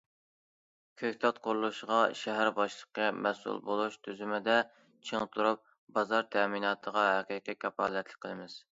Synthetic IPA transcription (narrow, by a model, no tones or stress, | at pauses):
kʲʰøkʲt̪ʰɑt̪̚qʰʊɾlˠuʃʁɑʃɛɦæɾbɑʃlˠəqːəmɛsṵlˠbolˠuʃt̪ʰyzymɪd̪ɛ | t͡ʃʰeŋt̪ʰuɾup̚ | bɑzɑɾt̪ʰɛminɑːt̪ʰəʁɑɦɛqiqikʲʰɑpɑːlˠɛt̪ʰlɪ̥kʲqʰəlˠɨmɪz̥